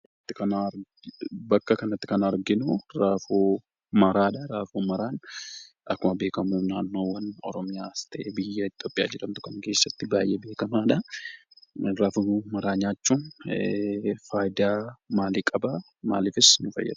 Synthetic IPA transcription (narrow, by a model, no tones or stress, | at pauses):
ɪt̪ːɪkɐnaɾ | bɐkːɐkɐnɐt̪ːɪ̥kɐnɐɾɡɪnʊɾaːfoː | mɐɾaːᶑɐɾaːfoːmɐɾaːn | ʔɐkːʊmɐbe̞ːkɐmuːnaːnːo̞ːwɐnɔ̰ɾɔmɪjaːst̪ɐʔeːbɪjːɐɪt̪jo̞ːpʼɪja̰ːd͡ʒɪᶑɐmt̪ʊ̥kɐŋke̞ːsːɐt̪ːɪbaːjʔebe̞ːkɐmaːᶑɐ | ɾaːfumɐɾaːɲaːt͡ʃːuːn | faːjd̪aːmaːliːkʼɐbɐ | ma̰ːliːfɪsnʊfɐ̰jːɐ̰d̪ʊ̥